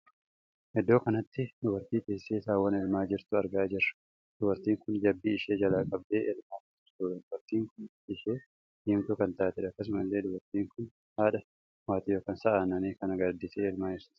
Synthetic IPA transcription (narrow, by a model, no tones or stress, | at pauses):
hɛd̪ːo̞ːkɐnɐt̪ːɪd̪ʊbɐɾt̪iːp̪eːsːeːsaːwːɐnɛlmaːd͡ʒɪɾt̪ʊɐɾɡaːd͡ʒɪrːɐ̥ | d̪̥ʊbɐɾt̪iːŋkʊnd͡ʒɐbːiːɪʃe̞ːd͡ʒɐlaːkʼɐb̚d̪e̞ːʔɛlmaːkʊt̪ʊɾt̪uːdɐd̪ʊbɐɾt̪iːŋkʊn | ɪʃeː | hiːmt̪ʊkɐnt̪aːt̪ɪᶑɐkːɐs̬ʊmɐlːe̞ːd̪ʊbɐɾt̪iːŋkʊn | haːᶑɐ | waːt̪iːjoːkɐnsɐʔaːnɐneːkɐnɐɡɐɾd̪ɪseːɛlmaːd͡ʒɪɾst̪